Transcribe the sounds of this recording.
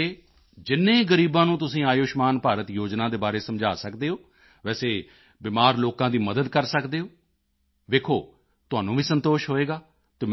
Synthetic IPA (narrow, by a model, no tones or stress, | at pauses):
eː | d͡ʒɪnːẽːɡəɾiːbãːnũːt̪̬ʊsĩːaːjoːʃmaːnpaːɾət̪joːd͡ʒnãːd̪eːbaːɾeːsəmd͡ʒaːsəkd̪eːoː | ʋɛːseː | bɪmaːɾloːkãːd̪iːməd̪əd̪kəɾsəkd̪eːoː | ʋeːkʰoː | t̪ʊaːnũːbiːsənt̪oːʃɦoːeːɡaː | t̪eː